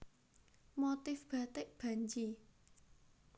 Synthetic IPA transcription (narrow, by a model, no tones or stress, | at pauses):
mot̪ɪfb̥a̤t̪ɪʔb̥a̤ɲt͡ʃi